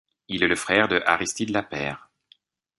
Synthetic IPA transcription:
ilɛləfχɛːʁd̪əʔa̰ʁist̪id̪əlapɛːʁ

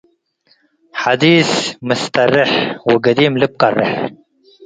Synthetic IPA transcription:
ħad̪iːsmʊst̪ɑrˤːɪħwɪɡad̪iːmlɪb̚qɑrˤːɪ̰ħ

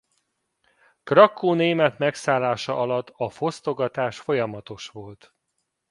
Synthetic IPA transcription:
krɒkʰːoːneːmɛt̪mɛksaːlːaːʃɒʔɒlɒt̪ːɒfo̞st̪o̞ɡɒt̪aːʃfo̞jɒmɒt̪o̞ʃʋo̞lt̪

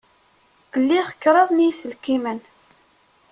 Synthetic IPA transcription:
əlːiχə̥kːɾˤɑðˤnisəlkimən

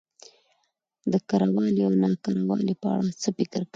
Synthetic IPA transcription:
d̪əkaɾawɑliawnɑkaɾawɑ̰lipəa̰ɽat͡səfɪkɪɾka

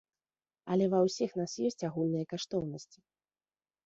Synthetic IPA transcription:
ɐlʲɛvɐwsʲixn̪asjɔsʲt͡sʲaɣulʲnɨjɐkaʂt̪ɔwnɐsʲt͡sʲi̥

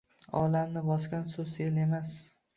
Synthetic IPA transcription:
ɒ̰lamnɪbɒskʲansʊsele̞mas

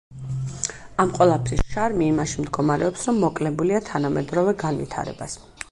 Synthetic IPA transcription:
amqʼwɛlˠapʰɾisʃaɾmiːmaʃimd̪ɡɔmaɾɛɔpsɾɔmːɔkʼlɛbuliat̪ʰanamɛd̪ɾɔvɛɡanvḭt̪ʰa̰ɾɛ̰bas

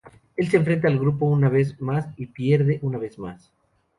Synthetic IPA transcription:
e̞ls̬eɱfɾe̞nt̪̬aːlɣɾupo̞unaβ̞e̞zmasipje̞ɾðe̞ʔunaβe̞zma̰s

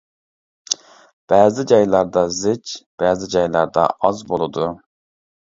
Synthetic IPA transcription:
b̥æːzɪd͡ʒɑjlˠɑɾd̪ɑzɪd͡ʒb̥æːzɪd͡ʒɑjlˠɑɾd̪ɑ̰ʔɑzbolˠɨd̪u

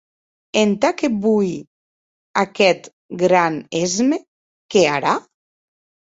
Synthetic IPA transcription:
ent̪akebuj | akɛt̪ | ɡɾanezme | keaɾa

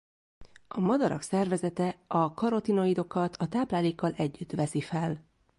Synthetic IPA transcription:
ɒmɒd̪ɒɾɒ̰ksɛrvɛzɛt̪ɛɒkɒɾo̞t̪ino̞id̪o̞kɒt̪ʰɒt̪aːplaːleːkːɒlʔɛɟːyt̪ʋɛsifɛl

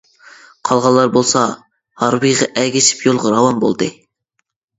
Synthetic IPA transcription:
qʰɑlˠʁɑlˠːɑɾbolˠsɑ | hɑɾwɨjʁɑʔɛɡʲiʃɪ̥pjolˠʁɑɾɑwɑnbo̰lˠd̪ɨ

